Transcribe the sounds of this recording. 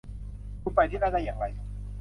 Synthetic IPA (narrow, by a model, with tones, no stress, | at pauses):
kuː˧˩pa˧jt̪ʰiː˥˩na˥˩da˥˩jaː˨˩ŋɾa˧j